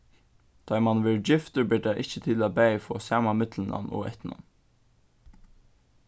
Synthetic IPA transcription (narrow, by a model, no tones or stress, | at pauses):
d̪̥ɑɪmɑnʋɪɹd͡ʒɪft̪əɾbɪːdæɪʔɪçət̪ʰɪlɑbæɪfoːsjæːmɑmɪt̪ʰln̩ʔɑ̰nʔo̰ːɛ̰t̪nɑ̰n